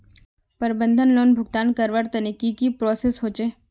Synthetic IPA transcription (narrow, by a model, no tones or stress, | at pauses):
pəɾbə̃nd̪ʱənloːnbʱʊɡt̪aːnkəɾʋəɾt̪ɐnɪkikipɾoːsesɦoːt͡ʃeː